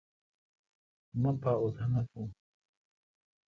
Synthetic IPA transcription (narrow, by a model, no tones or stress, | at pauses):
mapaʊsanakʊŋ